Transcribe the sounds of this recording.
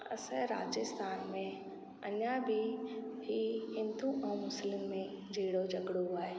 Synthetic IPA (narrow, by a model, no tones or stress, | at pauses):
ɐ̰səɾa̰ːd͡ʒɪst̪ʰaːnmẽ | ɐ̰ɲabʱibiɦɪ̃nd̪uʔɛ̃ũmʊslɪmːẽ | d͡ʑʱiːɽod͡ʑɐɡɽoaːɦeː